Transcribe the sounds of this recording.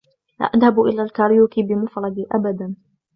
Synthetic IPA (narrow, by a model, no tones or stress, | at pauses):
la̰ːʔaðhabʔɪlaːlkaɾjuːkibɪmʊfɾˤɑd̪iʔa̰bad̪an